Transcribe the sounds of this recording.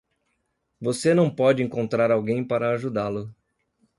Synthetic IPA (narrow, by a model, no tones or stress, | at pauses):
vosenɐ̃w̃pɔd͡ʒɪẽŋkõnt̪ɾaɾawɡẽj̃paɾɐːʒud̪alʊ